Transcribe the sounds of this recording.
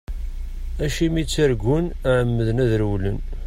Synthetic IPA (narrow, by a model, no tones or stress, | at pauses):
æʃimit͡sːəɾɡʷʊnʕəmːəðənæðɾwlən